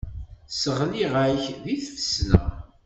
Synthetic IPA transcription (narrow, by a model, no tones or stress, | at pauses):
səʁliʁæçðiθfəsnæ̰